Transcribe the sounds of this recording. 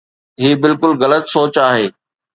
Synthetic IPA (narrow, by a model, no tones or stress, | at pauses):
ɦiːbɪlkʊlɣɐlət̪soːt͡ɕaːɦeː